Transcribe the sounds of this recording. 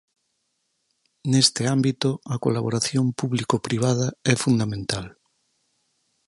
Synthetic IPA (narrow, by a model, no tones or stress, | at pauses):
nest̪ɪambit̪oako̰laβoɾaθjompuβlikopɾiβ̞að̞aɛfund̪amẽnt̪al